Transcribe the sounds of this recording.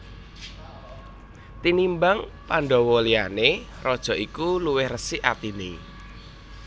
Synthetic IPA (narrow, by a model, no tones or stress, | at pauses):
t̪inimbaŋ | paɳɖɔ̤wɔliane | rɔd̥ʒ̥ɔ̤ʔikuluwɪhrəsiʔat̪ini